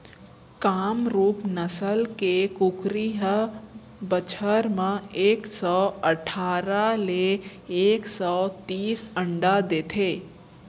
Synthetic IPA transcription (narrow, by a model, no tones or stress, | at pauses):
kaːmɾuːpnəsəlkekukɾiɦə | bət͡ʃʰəɾmãeːksɔəʈʰaːɾaleː | ksɔt̪iːsə̃ɳɖad̪eːt̪ʰeː